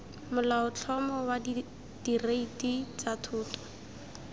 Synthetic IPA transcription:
mʊlaʊt͡ɬʰɔmɔwad | d̥ireitit͡satʰʊːtɔ̥

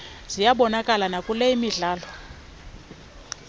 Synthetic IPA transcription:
z̥ijaɓɔnakʼalanakʼuleimiɮaːlɔ

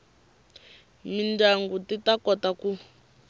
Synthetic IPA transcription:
mindaŋɡutitakɔtaku

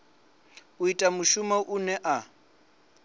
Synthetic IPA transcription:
uitʼamuʃumaʔunɛʔa

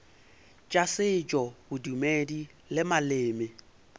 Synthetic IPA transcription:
t͡ʃʼasɪt͡ʃʼɔbʊdumedi | lɪmalɪːmɪ

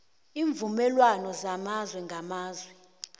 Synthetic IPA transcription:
iːɱvumɛlwanɔzamazwɛŋɡʱamaːzwɛ

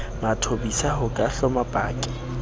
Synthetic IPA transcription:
matʰobisahʊkʼaɬɔmapʼaːkʼɪ̥

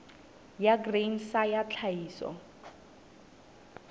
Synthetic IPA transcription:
jaɡrensajat͡ɬʰaiːsɔ̰

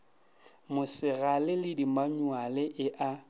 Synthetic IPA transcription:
mʊsɪɣalɪlɪdimaɲwalɪʔɪʔa

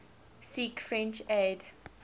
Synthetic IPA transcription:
sikfɹɛ̃nt͡ʃed

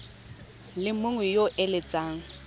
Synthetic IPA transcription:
lɪmʊŋwɛjoʔɪlɪt͡sʼaːŋ̩

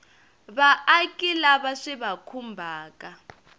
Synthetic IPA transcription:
βaʔːkʼilaβaʂiβakʰumbʱaːkʼa

